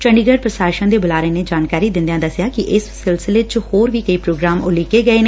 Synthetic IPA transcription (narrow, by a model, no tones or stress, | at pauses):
t͡ʃəɳɖiːɡəɖ̚pɾəsaːɾʃãːd̪eːbʊlaːɾeːneːd͡ʒaːnkaːɾiːd̪ɪ̃nd̪eãːd̪əsjaːkɪʔɪssɪlsɪleːt͡ʃhoːɾʋiːkəiːpɾoːɡɾaːmʊliːkeːɡəeːne